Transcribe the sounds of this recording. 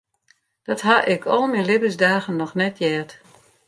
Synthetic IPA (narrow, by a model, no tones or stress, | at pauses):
d̥ɔtɦaʔɪkʰɔlˠminlɪbəsdaːɣənːɔxnɛtjɛːt